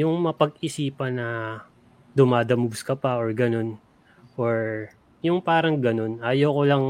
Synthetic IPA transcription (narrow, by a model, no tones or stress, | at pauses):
jʊŋmɐpɐɡɪsiːpɐnɐ | d̪ʊmaːd̪ɐmʊbskɐpɐʔoɹɡɐno̞n | ʔoɹ | jʊŋpaːɾɐŋɡɐno̞nʔaːjoːkolɐŋ